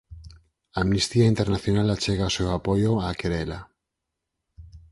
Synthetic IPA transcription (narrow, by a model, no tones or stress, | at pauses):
aːmnist̪iaint̪eɾnaθjonalat͡ʃeɣaosewapojoakeɾela